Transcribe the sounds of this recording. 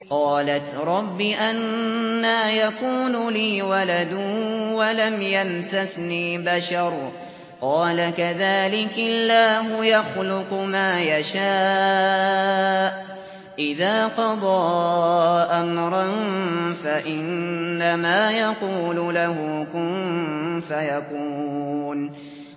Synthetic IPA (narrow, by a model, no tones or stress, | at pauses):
qɑːlat̪ɾˤɑbːiʔanːaːjaquːlʊliːwalad̪ʊwalamjamsasniːbaʃɑɾˤ | qɑːlakaðaːlɪkalːaːɦʊjaxlʊqʊmaːjaʃaː | ʔ | ʔɪðaːqɑd̪ˤɑː | ʔamɾˤɑnfaʔɪnːamaːjɑquːlʊlahʊkʊmfajakuːn